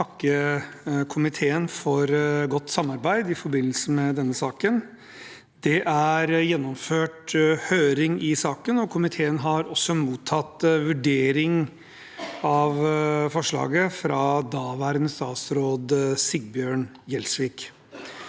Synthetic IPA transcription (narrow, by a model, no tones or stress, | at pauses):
ɑkːə | kʰʊmɪt̪ʰeːənfɔɾɡɔt̪ːsɑmːɑɾbæɪd̪ɪfɔɾbɪnːəl̩səmɛd̪ɛnːəsɑːkən | d̪̥ɛʔæɾjɛnːɔmføːʈhøːɾɪŋɪsɑːkənɔkʰʊmɪt̪ʰeːənɦɑɾɔsːɔmuːt̪ʰːɑt̪ːʋʉɖeːɾɪŋ | ɑʋfɔʂɭɑ̰ːɡəfɾɑd̪ɑːʋæːɾənəst̪ɑːt̪sɾoːd̪sɪɡ̚bjøːɳ | jɛlsʋiːk